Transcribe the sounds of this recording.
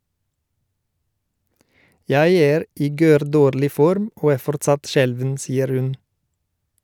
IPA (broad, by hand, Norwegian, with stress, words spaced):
ˈjæɪ ˈeːɾ ˈiː ˈɡøːɾˌdoːɾlɪ ˈfɔɾm ˈoː ˈæː ˈfɔɾtsɑt ˈʃɛlʋən ˈsiːəɾ ˈhʉn